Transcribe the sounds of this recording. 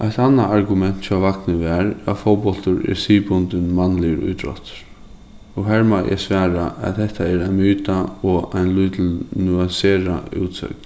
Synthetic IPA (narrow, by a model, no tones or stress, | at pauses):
ʔajt̪anːaʔaɾɡʊmɛn̥t̪t͡ʃʰaʋaknɪʋɛɹa̰fɔwpɔlt̪ʊɹɛ̰ɹsiːpʊnt̪ɪnmanlɪəɾṵjt̪ɾɔ̰t̪ɾ | ɔɦæɹmaʔɛ̰sʋæːɾa̰ʔa̰ðhɛht̪aɛɾajnmyːt̪aɔajnlujt̪ʰɪlnuanseːɾaṵːt̪sœ̰kn